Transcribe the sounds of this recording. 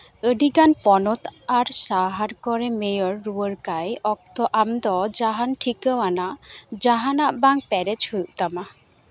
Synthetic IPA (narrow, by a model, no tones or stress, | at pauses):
əɖiɡanpɔnɔt̪aɾsaɦaɾkɔɾɛmejɔɾːuəɾkajɔk̚t̪ɔʔamd̪ɔd͡ʒaɦanʈʰikəwanaʔd͡ʒaɦanaʔbaŋpɛɾɛt͡ʃhujuʔt̪ama